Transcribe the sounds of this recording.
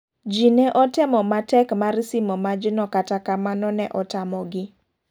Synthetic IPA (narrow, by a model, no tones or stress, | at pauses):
d͡ʒinɛʔɔtɪmɔmatɛkmarsɪmɔmad͡ʒɪnɔkatakamanɔnɛʔɔtamɔɡɪ